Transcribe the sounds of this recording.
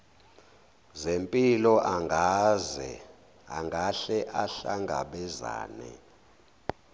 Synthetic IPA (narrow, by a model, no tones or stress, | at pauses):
zempʼilɔʔaŋɡʱazɛ | a̰ŋɡʱaɬɛʔaɬaŋɡʱa̰ɓɛza̰ːnɛ̰